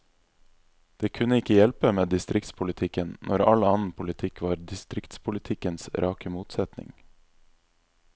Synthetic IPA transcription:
d̪̥eːkʰʉnəɪkəjɛlpəmeːd̪ɪst̪ɾɪk̚t̪spʰʊlɪt̪ʰɪkənnʔɔɾɑ̰lɑːnn̩pʰʊlɪt̪ʰɪkʋɑːɾd̪ɪst̪ɾɪkt̪spʰʊlɪt̪ʰɪkənsɾʔɑːkəmuːt̪sɛt̪nɪ̰ŋ

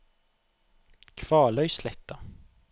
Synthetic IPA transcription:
kʰʋɑːlœʏslɛt̪ə

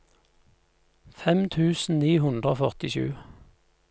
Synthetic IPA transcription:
fɛmt̪ʰʉːsn̩niːhʉnd̪ʁoːfœʁt̪ɪʃʉ̰ː

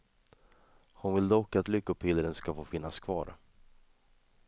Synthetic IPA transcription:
hʊnvɪld̪ɔkːat̪lʏkːɵpʰɪləɾənskafoːfɪnːaskʰvɑ̰ːɾ

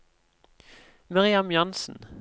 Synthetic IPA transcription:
mɑʁɪɑmjɑnsn̩

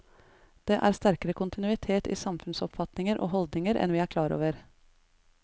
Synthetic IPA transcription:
d̪̥eːʔæːɾst̪æɾkəɾəkʰʊnt̪ɪnʉːɪt̪ʰeːt̪ḭːsɑmfʉnsɔpfɑt̪nɪŋəɾʔo̰ːɦɔld̪nɪŋəɾʔɛ̰nʋiːæːɾkʰlɑːɾo̰ːʋəɾ

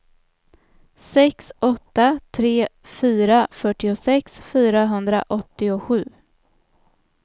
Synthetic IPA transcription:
sɛksʔɔt̪ːat̪ʰɾeːfyːɾafœʈːɪʊsɛksfyːɾaɦɵnd̪ɾa̰ʔɔt̪ːɪʊɧʉ̟ː

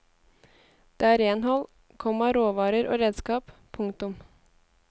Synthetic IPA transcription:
d̪̥eːæːɾeːnhɔl | kʰɔmɑɾoːʋɑːɾəɾʔo̰ːɾeːd̪skɑːppʰʊŋt̪ʊm

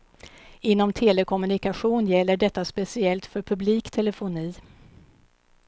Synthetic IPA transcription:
ɪnːɔmt̪ʰeːlɛkʰɔmɵnɪkaɧuːnjɛlːəɖɛt̪ːaspɛsɪɛlt̪fœɾpʰɵbliːkt̪ʰɛlɛfʊniː

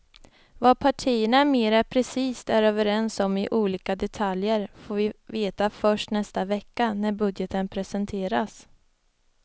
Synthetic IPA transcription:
vapʰaʈʰiːəɳameːɾapʰɾɛsiːst̪æɾøːvəɾɛnsɔmɪʔuːliːkad̪ɛt̪ʰaljəɾfoːɾvɪveːt̪afœʂʈnɛst̪avɛkːanæɾbɵd̪jət̪ənpʰɾɛsɛnt̪ʰeːɾas

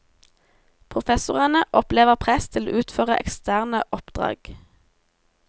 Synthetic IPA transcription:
pʰʁʊfɛsʊʁənəʔɔpleːʋəʁpʰʁɛst̪ʰɪlo̰ːʔʉːt̪føːʁəʔɛ̰kst̪æːʁnəʔɔpd̪̥ʁɑ̰ːɡ̥

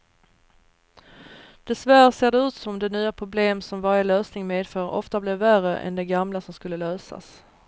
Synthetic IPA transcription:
d̪̥ɛsvæɾseːɖɛʉ̟ːt̪sɔmɔmd̪ɛnyːapʰɾʊbleːmsɔmvaɾjəløːsnɪŋmeːd̪fœːɾɔ̰ft̪ablɪvːærəʔɛ̰nd̪ɛɡamlasɔmskɵlːəløːsa̰s

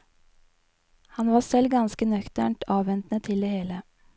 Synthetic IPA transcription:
hɑnʋɑːsɛlɡɑnskənœkt̪æ̰ɳʈʰɑːʋʋɛnt̪nət̪ʰɪld̪eːheːlə

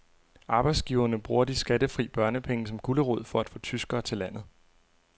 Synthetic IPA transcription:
ʔɑ̈ːb̥ɑ̈ɪd̥sɡ̥iʊɐnəb̥ʁuːɐd̥isɡ̥æd̥əfʁḭːb̥ɶɐnəpʰeŋəsɒ̽mkʰuləʁɔð̰ˠfɒ̽æd̥fɔ̰̽ːt͡sʰysɡ̥ɐːt͡sʰe̝læn̰ð̞̩ˠ

